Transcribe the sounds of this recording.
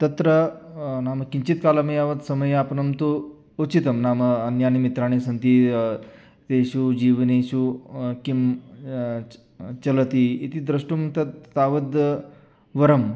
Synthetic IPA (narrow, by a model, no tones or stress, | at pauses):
t̪ɐt̪ɾə | naːmɐkiɲt͡ɕit̪kaːlɐmɐjaʋəd̪sɐməjapnɐmt̪u | ut͡ɕit̪ɐmnaməɐnjanimit̪ɾaːɽ̃isɐnt̪i | t̪eɕud͡ʑiːʋneɕukim | t͡ʃɐlət̪iːit̪id̪ɾəʂʈumt̪ɐt̪t̪aʋəd̪ | ʋɐɾəm